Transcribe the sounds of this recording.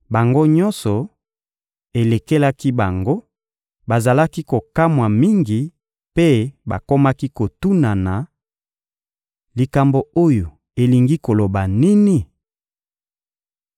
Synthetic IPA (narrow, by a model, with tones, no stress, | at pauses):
ba˨ŋɡo˦ɲɔ˦nsɔ˨ | e˨le˨ke˦la˦ki˦ba˨ŋɡo˦ | ba˨za˨la˦ki˦ko˨ka˦mwa˨mi˦ŋɡi˨ | pe˦ba̰˨ko˦ma˦ki˦ko˨tu˦na˨na˨ | li˨ka˨mbo˨o˦jo˨ | e˨li˨ŋɡi˦ko˨lo˨ba˨ni˦ni˦